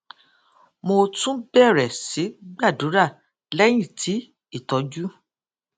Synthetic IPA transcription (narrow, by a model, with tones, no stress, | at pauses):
mo˧tũ˦bɛ˦˨ɾɛ˨si˨˦ɡ͡ba˦˨du˨˦ɾa˦˨ | lɛ˦j̃ĩ˦˨tʰi˨˦ | i˦˨tɔ˨˦d͡ʒu˦